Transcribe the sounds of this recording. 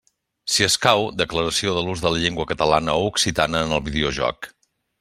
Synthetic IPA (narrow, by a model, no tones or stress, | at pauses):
siəskawd̪əkləɾəsioðəluzðələʎeŋɡwəkət̪əla̰nəouksit̪anəːnəlˠβiðeoʒɔ̰k